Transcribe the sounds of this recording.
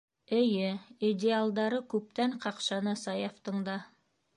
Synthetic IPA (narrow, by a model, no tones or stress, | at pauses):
ɘ̆jɘidʲɪalˠd̪ɑɾɤkʉp̚t̪æɴqɑqʃɑnɤsɑjɑft̪ɤ̆ɴd̪ɑ